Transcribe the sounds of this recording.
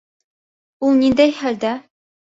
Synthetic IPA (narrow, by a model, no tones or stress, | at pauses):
ulˠnind̪æjhæld̪æ